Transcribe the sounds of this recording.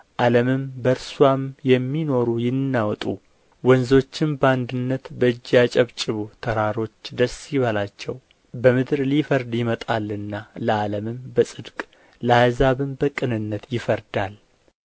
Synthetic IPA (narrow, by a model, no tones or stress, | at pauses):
ʔaləmɨmbəɾswamjɛmːino̞ɾujɪnːawt̪ʼu | wɔnzo̞t͡ʃːɪmbəand̪ɨnːət̪bəɨd͡ʒːat͡ʃʼɛβt͡ʃʼɪβut̪ʰəɾaɾo̞t͡ʃːd̪əsjβalat͡ʃːɛw | bəmɨd̪ɾlifəɾd̪jɪmət̪ʼalɨnːaləaləmɨmbəsʼɨd̪kʼ | ləazaβɨmbəkʼɨnɨnːət̪jɪfəɾd̪al